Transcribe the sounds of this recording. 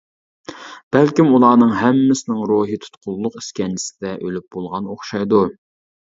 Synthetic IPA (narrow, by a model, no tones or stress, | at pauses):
b̥ælkʲimulˠɑːnɨŋɦɛmːɪsɪnɪŋɾuːɦɨt̪ʰu̥t̪qʰʊlˠːʊqi̥skʲɛnt͡ʃʰi̥sɪd̪ɛʔølyp̚b̥olˠʁɑnoχʃɑjd̪u